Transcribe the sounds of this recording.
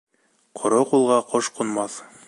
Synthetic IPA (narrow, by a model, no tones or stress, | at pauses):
qʰŏɾoqulˠʁɑqoʃqŭnmɑθ